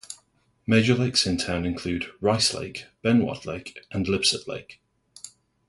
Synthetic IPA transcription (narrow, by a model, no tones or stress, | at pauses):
meɪd͡ʒəleɪksɪ̃ntʰãʊ̃nɪ̃nkʰl̥ʉːdɹaɪslḛɪkb̥ɛ̃nwɒ̰dˡlḛɪkʔə̃nlɪb̥səʔlḛɪk